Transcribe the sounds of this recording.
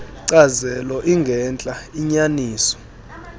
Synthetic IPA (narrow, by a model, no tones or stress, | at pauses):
ǀazɛlɔʔiŋɡʱɛnt͡ɬʼaiɲaniːsɔ̥